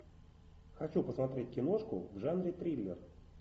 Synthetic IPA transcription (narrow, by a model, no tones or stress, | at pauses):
xɐt͡ɕupəsmɐt̪ɾʲet̚ʲkʲɪno̞ʂkʊ̰vʐanɾʲɪt̪ɾʲilʲːɪ̰r